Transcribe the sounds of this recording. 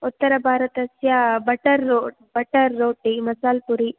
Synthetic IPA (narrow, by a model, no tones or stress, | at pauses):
ut̪ːɐɾɐbʱaːɾɐt̪ɐsjabɐʈɐɾoː | bɐʈɐɾːoːʈimɐsaːlpuɾi